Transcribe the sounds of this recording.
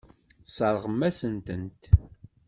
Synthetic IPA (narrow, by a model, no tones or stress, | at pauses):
sˤɑɾˤʁəmːæsənt̪ənt̪